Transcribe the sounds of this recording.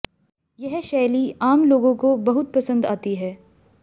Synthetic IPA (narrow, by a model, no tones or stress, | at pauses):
jɛɦʃɛːliaːmloːɡõkobɐɦʊt̪̚pɐsə̃nd̪aːt̪iɦɛː